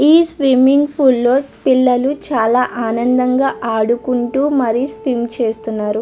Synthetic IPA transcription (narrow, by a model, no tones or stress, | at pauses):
iːsʋimiŋɡpʰulːo̞ː | pilːɐlut͡ʃaːlaːʔaːnɐnd̪ɐŋɡaːʔaːɽukuɳʈuːmɐɾisʋimt͡ʃe̞ːst̪unːaːɾu